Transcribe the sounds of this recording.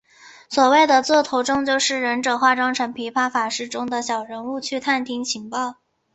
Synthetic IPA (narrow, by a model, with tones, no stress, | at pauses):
swɔ˨˩we˥˩ɪd̪ə˩t͡swɔ˥˩t̪ʰo˧˥ʊʈ͡ʂʊ˥ŋt͡ɕjo˥˧ʊʂɻ̩˥˩ɻə˧˥nʈ͡ʂɤ˨˩xwa˥˩ʈ͡ʂɑ˥ŋʈ͡ʂʰɤ˧˥ŋpʰi˧˥pʰa˥˩fa˨˩ʂɻ̩˥˩ʈ͡ʂʊ˥ŋd̪ə˨ɕjɑ˨˩ʊɻə˧˥nu˥˧t͡ɕʰy˥˧t̪ʰa˥˩nt̪ʰi˥ŋt͡ɕʰi˧˥ŋpɑ˥˩ʊ